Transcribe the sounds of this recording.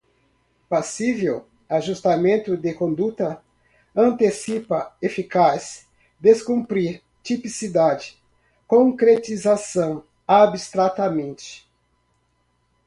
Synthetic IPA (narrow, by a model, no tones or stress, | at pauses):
pasivew | aʒust̪amẽnt̪ʊd̪ɪkõnd̪ut̪ɐ | ɐ̃nt̪esipɐefikas | d̪eskũmpɾiɾ | t͡ʃipisid̪ad͡ʒɪ̥ | kõkɾet͡ʃizasɐ̃w̃ | abist̪ɾat̪ɐmẽnt͡ʃɪ̥